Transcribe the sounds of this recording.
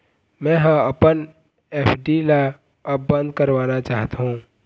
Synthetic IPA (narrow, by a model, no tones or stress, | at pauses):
mɛ̃ɦãəpən | eːpʰɖila | əpbə̃nd̪̚ʱkəɾʋaːnat͡ʃaːɦt̪aɦũ